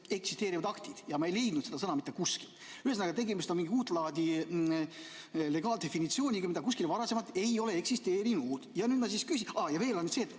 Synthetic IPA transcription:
e̞ksi̥st̪e̞ːɾivɑd̪̥ɑkt̪id̪̥jɑmɑe̞jle̞jd̪̥nut̪se̞d̪ɑsɤnɑmit̪ːekuskil | yhes̬nɑɡɑt̪e̞ɡemist̪onmiŋɡiuːt̪ːˑlɑːd̪i | le̞ɡɑːld̪̥e̞finit̪sioːnʲiɡɑmid̪ɑkuskilvɑɾɑse̞mɑt̪ːˑe̞jo̞le̞eksist̪e̞ːɾinud̪̥jɑnyːd̪mɑs̬iskysʲiɑjɑve̞ːlonːyd̪seːt̪ː

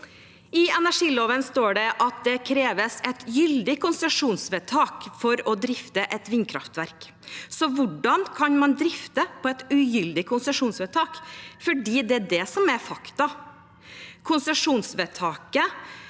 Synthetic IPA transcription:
ɪɛnæʂiːloːʋənst̪oːɖɛʔɑt̪̚d̪ɛkʰɾeːʋəsɛt̪jʏld̪ɪkʰʊnsəʂuːnsʋɛt̪ʰɑːkfɔɾɔd̪ɾɪft̪əʔɛt̪ʋɪnkʰɾɑ̰ft̪ʋæɾk | sɔʋʊɖɑnkʰɑnmɑnd̪ɾɪft̪əpʰɔɛt̪ʉjʏld̪ɪkʰʊnsəʂuːnsʋɛt̪ʰɑːkfɔɖiːd̪ɛædɛsɔmæɾfɑkt̪ɑ | kʰʊnsəʂuːnsʋɛt̪ʰɑːkə

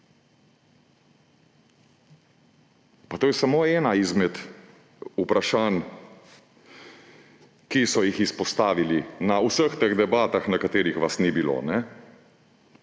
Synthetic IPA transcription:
pat̪oːjɛsamoːɛːnaizmɛt̪ | upɾaʃaːn | kisɔjixispɔst̪aːʋilinausəxt̪eɣd̪ɛbaːt̪axnakat̪eːɾixʋasnibilo̰ːnɛ

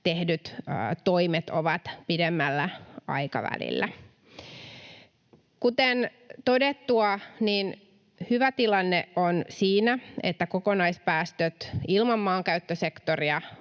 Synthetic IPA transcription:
t̪ehdyt̪ːt̪oimet̪oʋɑt̪pidemːælːæɑ̰ikɑ̰ʋæ̰lḭlːæ | kut̪en | t̪o̞det̪ːuɑniːn | hyʋæt̪ilɑnːeʔonsiːnæḛt̪ːækokonɑispæːst̪øt̪ilmɑmːɑːŋkæyt̪ːøsekt̪oriɑ

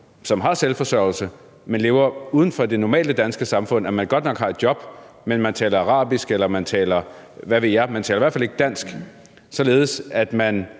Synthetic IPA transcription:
sɒ̽mɦɑ̈selfɒ̽sɶɐ̰l̩sə | menle̝ːʊɐuːð̞ˠən̩fɒ̽d̥e̝nɒmɛ̰ːld̥əd̥ænsɡ̥əsɑ̈mfɔ̽n̰æmænɡ̥ɒ̽d̥nɒ̽ɡ̥hɑ̈e̝d̥jɒ̽b̥ | menmænt͡sʰɛ̰ːlɐɑ̈ʁɑ̰̈ːb̥isɡ̥elɐmænt͡sʰɛ̰ːlɐ | ʋæʋe̝̰jɑ̈ɪmænt͡sʰɛ̰ːlɐʋæɐ̰fæle̝ɡ̥əd̥æn̰sɡ̥ | sɒ̽le̝ːð̞̩ˠəsæd̥mæn

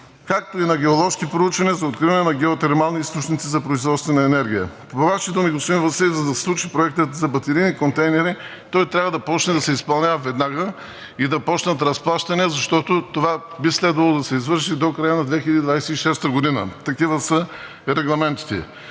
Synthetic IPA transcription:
kak̚t̪oinɐɡɛolˠɔʃkipɾout͡ʃvɐniəzɐot̪kɾivɐnɛnɐɡɛot̪ɛɾmalˠniist̪ot͡ʃnit̪sizɐpɾoizvɔt̪st̪vɛnɐɛnɛɾɡʲijəpoovaʃit̪onɛɡosimvɐsɛzɐd̪ɐsslˠut͡ʃipɾoɛkt̪ət̪zɐbɐt̪ɛɾinikont̪ɛjnɛɾi | t̪ɔjt̪ɾʲavəd̪ɐpɔt͡ʃnɛd̪ɐsɛispɐlˠnʲavvɛd̪naɡə | id̪ɐpɔt͡ʃnɐt̪ɾɐsplˠaʃt̪ɐnɛzɐʃt̪ɔt̪ot̪ova | bislɛd̪vɐlˠod̪ɐsɛizvɤɾʃid̪okɾajənɐd̪vɛxʲilʲɐd̪id̪vajsɛiʃɛst̪əɡod̪inə̰t̪ɐkivəsə | ɾɛɡlˠɐmɛnt̪i̥t̪ɛ̰

